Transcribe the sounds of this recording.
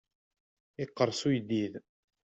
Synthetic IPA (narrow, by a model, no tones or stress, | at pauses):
ɪqːəɾˤsujd̪ið